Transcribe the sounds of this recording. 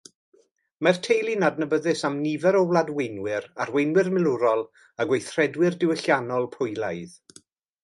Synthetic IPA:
martʰejlˠinadnəbəðɨsamnivɛɾɔwlˠadwejnwɪɾarwejnwɪrmɪlˠʊɾɔlˠ | aɡwejθr̥ɛdwɪrdɪwəɬjanɔlˠpʰʊjlˠajð

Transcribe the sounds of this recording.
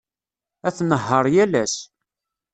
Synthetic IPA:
æθnəɦːəɾˤjælæs

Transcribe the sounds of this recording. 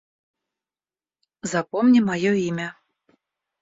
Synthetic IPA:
zapɔmnʲimajɔimʲɐ

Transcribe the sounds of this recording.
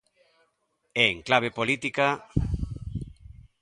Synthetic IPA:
eeŋklaβ̞epolit̪ika

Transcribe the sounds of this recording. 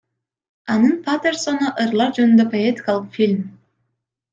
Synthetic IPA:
ɑnɯnpʰat̪ersonɑʔɯɾlˠɑɾd͡ʒønynd̪øpo̞et̪ʲi̥kalˠɯqfʲilʲm

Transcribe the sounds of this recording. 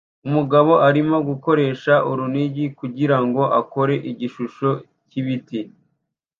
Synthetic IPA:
umuɡaβo̞ʔaɾimoɡuko̞ɾe̞ːʃaʔuɾuniɟikuɟiɾaŋɡo̞ʔako̞ɾe̞ʔiɟiʃuʃo̞ | ciβiti

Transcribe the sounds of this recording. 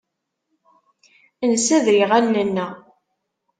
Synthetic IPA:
ənsæðɾiʁænːənːæ

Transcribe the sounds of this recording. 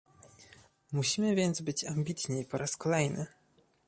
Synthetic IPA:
muɕimɘvʲjɛnd̪zbɘt͡ɕamʲbʲit̪ɲejpɔɾaskɔlɛjnɘ̰

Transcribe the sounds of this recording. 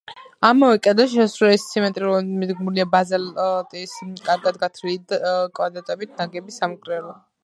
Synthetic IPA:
amɔvɛkʼɛd̪aʃɛsɾɛɛst̪sʰimɛnt̪ʼɾiɾɔmid̪ɡmuliabazɛlt̪ʼiskʼaɾɡad̪̚ɡat̪ʰɾiid̪kʼwad̪ɾat̪ʼɛbit̪ʰnaɡɛbisamkʼɾɛɾɔ

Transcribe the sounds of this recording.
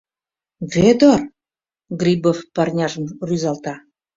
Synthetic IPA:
ved̪or | ɡrʲibofpɑrnʲɑʒəmryzɑlt̪ɑ

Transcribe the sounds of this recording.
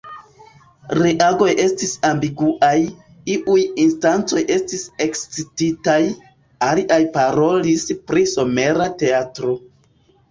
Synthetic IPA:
ɾeʔaɡo̞jʔe̞stisambiɡuʔaj | iʔujinstant͡so̞jʔe̞stise̞kst͡sititaj | aliʔajpaɾo̞lispɾiso̞me̞ɾate̞atɾo̞

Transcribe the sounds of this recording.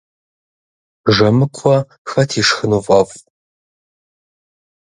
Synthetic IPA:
ʒɐmɨkʷʰɔ | xɐtʰiːʂxɨnuvʼɐf

